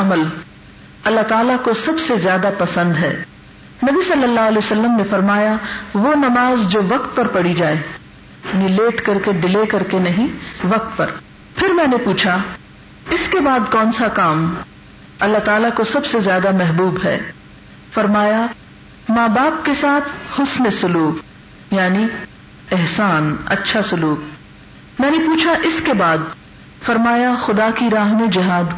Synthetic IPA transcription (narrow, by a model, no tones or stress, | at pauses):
ɐməl | ɐlːaɦt̪aːlakosɐbsezjaːd̪apɐsə̃nd̪ɦɛ̰ː | nɐbisɐlːəlːaːɦɐleːosɐlːəmnefɐɾmaːjaʋoːnɐmaːzd͡ʒoːʋɐq̚t̪̚pɐɾpɐɽid͡ʒaːeː | nileːʈkɐɾkeɖɪleːkɐɾkenɐɦĩʋɐq̚t̪pɐɾ | pʰɪɾmɛ̃ːnepuːt͡ʃʰa | ɪskebaːd̪kɔ̃ːnsakaːm | ɐlːat̪aːlakosɐbsezjaːd̪amɛɦbuːbɦɛ̰ː | fɐɾmaːja | maːbaːp̚kesaːt̪ʰhʊsnesʊluːk | jaːni | ɪɦsaːnɐ̰tːʃʰasʊluːk | mɛ̃ːnepuːt͡ʃʰaʔɪskebaːd̪ | fɐɾmaːjaxʊd̪aːkiɾaːɦmẽd͡ʒɪɦaːd̪